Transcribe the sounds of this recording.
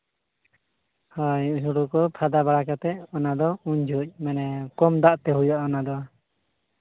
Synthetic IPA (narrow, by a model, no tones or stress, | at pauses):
hɔjɦuɽukɔpʰad̪abaɽakat̪ɛɔnad̪ɔuɲd͡ʒʱuc̚ˀmɛnɛkɔmd̪aʔt̪ɛɦujɔʔɔnad̪ɔa